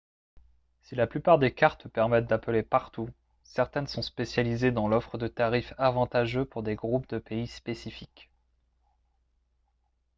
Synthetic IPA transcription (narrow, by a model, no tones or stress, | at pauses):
silaplypaʁd̪ekaʁt̪pɛʁmɛt̪̚d̪aplepaʁt̪u | sɛʁt̪ɛnsɔ̃spesjalized̪ɑ̃lɔfχəd̪ət̪aʁifavɑ̃t̪aʒøpuʁd̪eɡʁup̚d̪əpeispesifik